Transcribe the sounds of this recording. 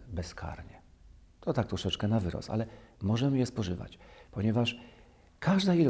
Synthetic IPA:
bɛskʰa̰ɾɲɛ | t̪ɔt̪ak̚t̪ɾɔʂɛt͡ʂkɛnavɘɾɔ̰sa̰lɛmɔʐɛmɘjɛspɔʐɘva̰t͡ɕpɔɲɛvaʂ | kʰaʐd̪ail

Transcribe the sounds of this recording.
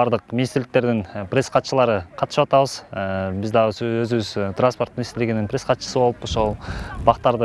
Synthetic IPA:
ɑɾd̪əqminʲist̪ɾlɪk̚t̪e̞ɾd̪ɪnprʲe̞sqʰɑt̪ʃəlˠɑɾəqʰɑt̪ə̥ʃɯpɑt̪ɑβəz̥bɪzd̪ɑʁøzɪβɪzt̪ranspo̞rt̪̚mɪnist̪ɾlɪɡɪnɪŋnprʲe̞sqʰɑt̪ʃə̥səbo̞lˠəpo̞ʃo̞lˠbɑqt̪ɑɾd̪ə

